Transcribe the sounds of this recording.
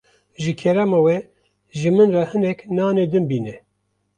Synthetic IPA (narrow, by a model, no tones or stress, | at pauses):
ʒɨkʰɛɾamɑːwɛ | ʒɨmɨnrahɨnɛknɑːned̪ɨnbiːnɛ